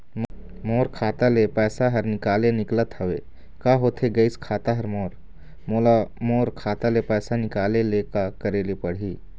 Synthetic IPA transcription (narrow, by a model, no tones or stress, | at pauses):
moːɾkʰaːt̪alepɛːsaɦɐɾnɪkaːlenɪklət̪ɦɐʋeː | kaːɦoːt̪ʰeɡɐɪskʰaːt̪aɦɐɾmoːɾ | molamoːɾkʰaːt̪alepɛːsanɪkaːlelekakəɾelepɐɽ̤iː